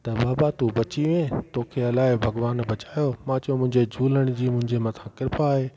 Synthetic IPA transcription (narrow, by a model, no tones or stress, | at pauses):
t̪ɐbaːbat̪ubɐt͡ɕiʋẽt̪okʰeɐlaːɪbʱɐɡʋaːnbɐt͡ɕaːjomãt͡ɕɐjõmʊ̃ɦɪ̃ɲd͡ʑed͡ʑʱuːləɽ̃d͡ʑiːmʊ̃ɦɪ̃ɲd͡ʑemɐt̪ʰãkɪɾɪpaːɦeː